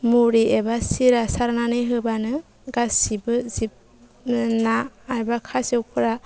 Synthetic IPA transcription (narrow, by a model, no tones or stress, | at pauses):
muɾiebasiɾasaɾnanɯjɦɯbanɯ | ɡasibɯzip̚ | naːjbakʰasiewkʰɯɾa